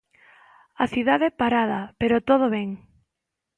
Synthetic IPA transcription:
ɐθiðaðepaɾaðapeɾot̪oð̞oβɛŋ

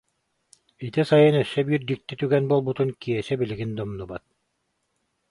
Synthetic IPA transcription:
it̪isajɯnɛsːɛbiːɾd̪ik̚t̪it̪yɡɛnbuɔlˠbut̪unkiɛsɛbiliɡind̪ɔmnubat̪̚

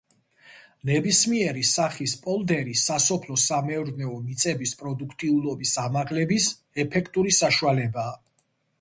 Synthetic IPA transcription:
nɛbismiɛɾisaχispʼɔlˠd̪ɛɾisasɔpʰlɔsamɛɾnɛɔmit̪sʼɛbispʼɾɔd̪ukʰt̪ʼiulɔbisamaʁlɛbis | ɛpʰɛkʰt̪ʼuɾisaʃualɛbaː

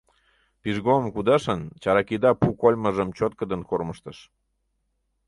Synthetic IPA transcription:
piʒɣomkud̪ɑʃənt͡ɕɑɾɑkid̪ɑpukolʲməʒəmt͡ɕot̪̚kəd̪ənkorməʃt̪əʃ

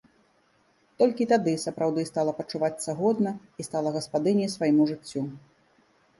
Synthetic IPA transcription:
t̪ɔlʲkʲit̪ad̪ɨsɐpɾawd̪ɨst̪alˠɐpɐt͡ʂuvat̪sɐɣɔd̪nɐ | ist̪alˠɐɣɐspad̪ɨnʲisvajimuʐɨt͡sʲːu

